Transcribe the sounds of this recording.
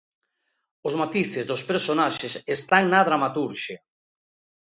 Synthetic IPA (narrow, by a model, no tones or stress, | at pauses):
ʊzmat̪iθɪzðospeɾsonaʃɪsest̪aŋnaðɾamat̪uɾʃe